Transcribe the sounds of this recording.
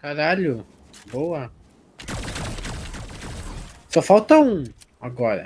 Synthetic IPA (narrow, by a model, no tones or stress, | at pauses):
kaɾaʎʊ | bowɐ | sɔfawt̪ɐũaɡɔɾɐ̰